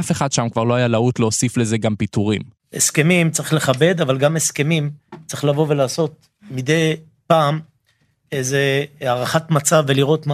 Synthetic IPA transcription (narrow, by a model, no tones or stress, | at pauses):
afe̞χad̪ʃamkvaʁlo̞ajalaut̪leosifle̞ze̞ɡampit̪uʁim | e̞̰ske̞mimt͡saʁiχle̞χabe̞d̪avalɡame̞ske̞mimt͡saʁiχlavo̞ve̞laːso̞t̪̚ | mid̪e̞j | paːm | ejzeaʁaχatmat͡savːeliʁo̞t̪m